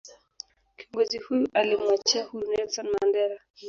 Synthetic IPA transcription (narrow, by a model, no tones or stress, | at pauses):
kiɔŋɡɔzihujuʔalimwat͡ʃɛahunɛlsɔnmandɛɾa